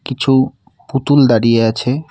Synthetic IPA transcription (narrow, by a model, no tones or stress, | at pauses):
kit͡ɕʰu | put̪uld̪aɽijeat͡ɕʰe